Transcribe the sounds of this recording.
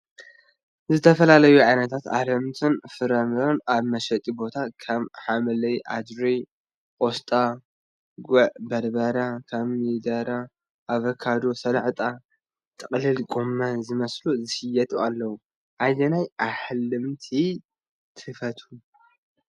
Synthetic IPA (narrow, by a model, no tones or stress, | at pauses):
zɨt̪ʰɐfɐlalɐjuʕajnɐt̪ʰat̪a̰hlɨmt̪ʰɨnfɨɾɐmɾonaβmɐʃɐt̪ʼibo̞t̪ʰakʰaβħamɐlɐjʔad̪ɾi | ʔʼost̪ʼa | ɡuʕbɐɾbɐɾakʰaβmid̪aɾa | ʔːβɐkʰːad̪osɐlʕt̪ʼa | t̪ʼɨqʼlɨlɡʼomːazɨmɐsluzɨʃɨjɛt̪ʼualːɐwu | ʔajɐnajʔaħlɨmt̪ʰi | t̪ʰɨfɐt̪ʰu